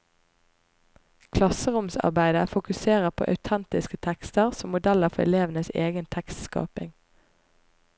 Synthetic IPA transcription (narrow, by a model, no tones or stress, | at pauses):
kʰlɑsəʁʊmsɑ̰ʁbæɪd̪əfʊkʉseːʁəʁpʰo̰ːʔɑ̰ʉt̪ʰɛnt̪ɪskət̪ʰɛkst̪əʁsɔmʊd̪æləʁfɔɛ̰leːʋnəseːɡənt̪ʰɛkst̪skɑ̰ːpɪ̰ŋ